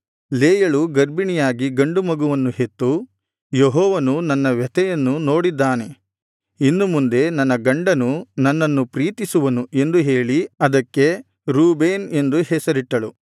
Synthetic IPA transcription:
leːjɐɭuɡɐɾbinijaːɡiɡɐɳɖumɐɡuʋɐnːuhe̞t̪ːu | jeɦɔːʋɐnunɐnːɐʋɛt̪ɛjɐnːuno̞ːɽid̪ːaːne̞ | inːumund̪e̞nɐnːɐɡɐɳɖɐnunɐnːɐnːupɾiːt̪isuʋɐnuʔe̞nd̪uɦe̞ːɭiɐd̪ɐkːe̞ | ɾuːbeːne̞nd̪uhɛsɐɾiʈːɐɭu

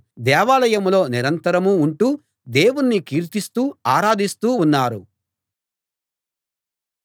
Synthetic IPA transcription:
d̪ɛːʋaːlɐjɐmlo̞ːniɾɐnt̪ɐɾɐmuːɳʈuː | d̪e̞ːwunːikiːɾt̪ist̪uːaːɾaːd̪ist̪uːnːaːɾṵ

